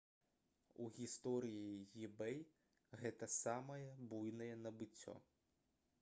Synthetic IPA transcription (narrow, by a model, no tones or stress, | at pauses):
uɣʲist̪ɔɾʲijijibɛj | ɣɛt̪ɐsɑmɐjɛbujnɐjɛnɐbɪtʲːɔ̰